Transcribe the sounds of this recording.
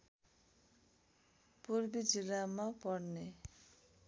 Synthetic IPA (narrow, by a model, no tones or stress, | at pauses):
puɾbid͡ʒilamapɔɽne